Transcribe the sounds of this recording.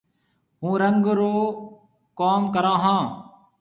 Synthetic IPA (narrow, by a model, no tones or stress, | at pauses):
ɦũːɾəŋɡɾoː | kaːmkəɾãːɦãː